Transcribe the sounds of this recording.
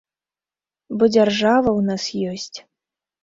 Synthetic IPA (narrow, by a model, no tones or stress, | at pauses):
bɔd͡zʲarʐavɐwnasjɔsʲt͡sʲ